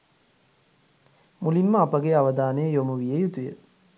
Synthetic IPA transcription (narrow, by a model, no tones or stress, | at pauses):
mulinməapəɡeaʋəd̪aːnəjəjomuʋijəjut̪ujə